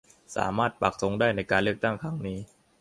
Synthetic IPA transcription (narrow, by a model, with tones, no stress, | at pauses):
sa̰ː˩˦maː˥˩t̪̚pa˨˩k̚so˧˥ŋdaː˥˩jna˧jkaː˧nlɯ˥˩ək̚t̪a˥˩ŋkʰa˦˥˩ŋniː˦˥